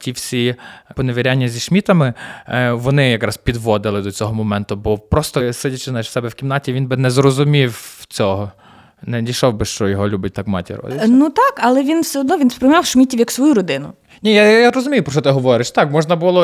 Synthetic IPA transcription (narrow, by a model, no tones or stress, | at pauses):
tʲiwsʲipɔneʋʲeɾʲanʲːɐzʲiʃmʲit̪ɐmɪ | ʋɔnɪjɐkɾɑspʲid̪ʋɔd̪ɪlˠɪd̪ɔt͡sʲɔɦɔmɔmɛnt̪ʊbɔpɾɔst̪ɔsɪdʲɐt͡ʃɪznɑjɪʃwsɛbɛwkʲimnɑtʲiʋinbɪnɛzrɔzʊmʲiwt͡sʲɔɦɔ | nɛdʲiʃɔwbɪʃt͡ʃɔjɔɦɔlʲubʲɐt̚ʲt̪ɑkmɑ̰tʲḭɾɔ̰d̪ɪnut̪ɑkɐlˠɛʋʲinwsʲɛɔd̪nɔʋʲinspɾɪjmɑwʃmʲitʲiwjɐksʋɔjuɾɔd̪ɪnʊ | nʲijajaɾɔzʊmʲijʊpɾɔt͡ʃɔt̪ɪɦɔʋɔɾɪʃt̪ɑkmɔʒnɐbulˠɔ